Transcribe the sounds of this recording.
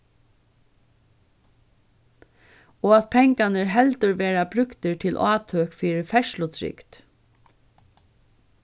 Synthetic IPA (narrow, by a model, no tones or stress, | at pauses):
ɔːat̪pʰɛŋkanəɹɦɛlt̪əɾʋeːɾabɾʏkt̪ɪɹt̪ʰɪlʔaːt̪ʰøːkfiːɾɪɾfɛʃlʊt̪ʰɾɪ̰kt̪